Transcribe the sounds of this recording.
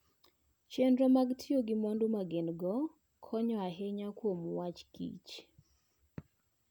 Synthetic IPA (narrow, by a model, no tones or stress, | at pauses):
t͡ʃendɾɔmaɡtʰioɡɪmɔndomaɡenɡɔ | kʰɔɲɔaɦeɲakwomwat͡ʃkḭt͡ʃ